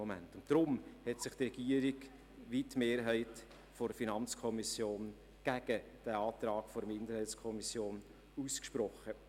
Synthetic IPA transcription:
ɔmæ̰ntʊnttːɾʊmhɛtsɪχtrɛɡ̥iəɾɪɡ | ʋitmeːɾɦæɪt | fɔɾfinɑnt͡skʰɔmisjoːn | ɡ̥æɡ̥əd̥æɑːtɾɑːɡfɔɾəmɪndəɾhæɪskʰɔmisjoːn | uːskʃpɾɔχə

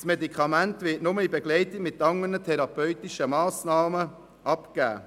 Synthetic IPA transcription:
smedikʰɑmæntʋɪːtnʊməibeɡlɛɪtiɡmɪtːɑŋənətʰɛɾɑpœʏtiʃəmɑːsnɑːmə | ʔɑpkæ̰ː

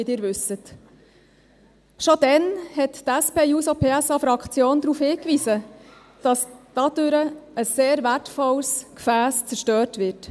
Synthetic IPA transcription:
idɪːɾʋʏsət | ʃod̥ɛnhɛttæspeːjuːsopʰeːæsɑfɾɑkχt͡sjoːnd̪ɾuːfhɪːkʋiːsə | d̥ɑsd̥ɑd̥øɾəəsːeːɾvætfɔlskfæːst͡sɛɾʃtøːɾtʋɪrt

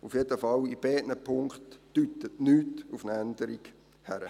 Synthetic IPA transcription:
ufjedəfɑlib̥ɛːʔnəpʰʊŋkχtːyt̪ətnyːtufnəænd̪əɾiɡ | hæɾə

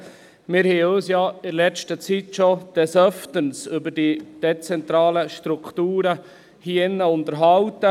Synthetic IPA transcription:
mɪɾhɛɪøːsjɑɪɾlɛstət͡sitʃod̥ɛsœftənsʏbəɾd̥id̥ɛt͡sɛntɾɑːləʃtɾuktuːɾə | hiːɪnːəʊntəɾɦɑwtə

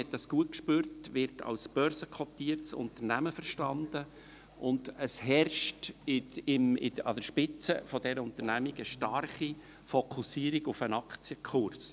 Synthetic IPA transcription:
ɛt̚dɑsɡ̥uət̚kʃpøːɾtʋɪɾtʰɑ̰lsb̥œɾsəkʰɔt̪iːətsʊ̰nt̪əɾnæməfəɾʃtɑnd̪̥ə | ʔʊnd̥̪əshɛrʃtɪɪmɪɑ̰d̥əɾʃpɪt͡səfɔd̥̪ɛɾəʊnt̪əɾnæmiɡəʃtɑrχi | fɔkʰusiːɾiɡʊfənɑkt͡sjəkʰχʊrs

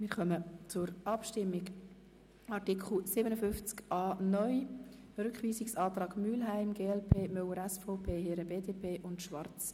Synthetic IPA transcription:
mɪːɾχœmət͡sʊɾʔɑpʃtɪmːɪɡ | ɑrtɪkʰχl̩sɪbənəfʏnft͡skʔɑːnœʏj | ɾʏkχʋiːsɪksɑːtrɑːɡ̥myːlɦæɪmɡeːɛlpʰeːmœwəɾɛsfɔʊpʰeːheɾəbeːdeːpʰeːʔʊntʃʋɑrt͡s

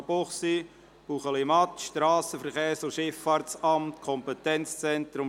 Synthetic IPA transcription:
poχsi | huχəlɪmɑt̪ʃtɾɑːsəfəɾχeːɾsʊʃɪfːɑːɾtt͡sɑmt̪kʰɔmpɛt̪ɛnt͡st͡sɛnt̪ɾʊm

